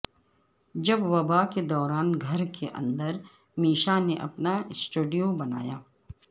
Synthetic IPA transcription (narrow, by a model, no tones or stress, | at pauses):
d͡ʒɐbʋɐbaːked̪ɔːɾaːnɡʱɐɾkʰeʔɐ̰̃nd̪əɾ | miːʃaneʔɐ̰pnaɪsʈuːɖijõbɐna̰ːjaː